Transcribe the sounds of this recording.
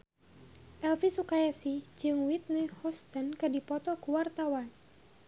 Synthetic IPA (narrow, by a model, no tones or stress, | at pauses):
ʔɛlfisukajasid͡ʒɨŋwit̪̚nɛhɔst̪ənkɨdipɔt̪ɔkuwart̪awan